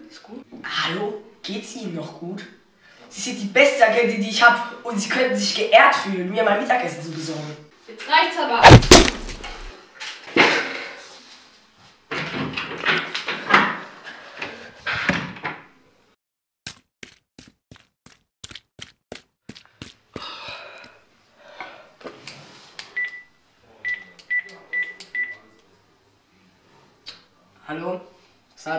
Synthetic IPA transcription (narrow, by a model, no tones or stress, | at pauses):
halo | ɡ̥eːtsʔiːnənːɔχɡ̥uːt | z̥iːz̥ɪnt̚d̥iːbɛstəaɡɛtədiːɪçhaːbəʔʊntz̥iːkʰœnn̩zɪçɡ̥əʔɛːɐtfyːlənmiːɐmaəmɪtakʔɛsn̩t͡subəzɔɐɡŋ̩ | b̥ətaɪt͡sama | hɐlo | sa